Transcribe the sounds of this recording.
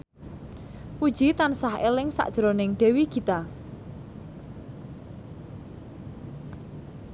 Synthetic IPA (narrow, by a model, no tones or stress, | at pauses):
pu̥ʒ̥it̪ansaɦelɪŋsa̰ʔd̥ʒ̥ɾonɪŋɖ̥e̤wikit̪a